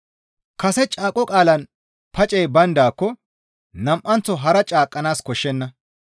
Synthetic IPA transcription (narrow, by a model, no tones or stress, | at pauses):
kɐsɛt͡ʃʼaːkʼːɔkʼaːlɐn | pɐt͡ʃʼɛjbɐnd̪aːkːɔ | nɐmʔɐnt͡sːɔɦɐɾɐt͡ʃʼaːkʼːɐnaːskɔʃːɛnːɐ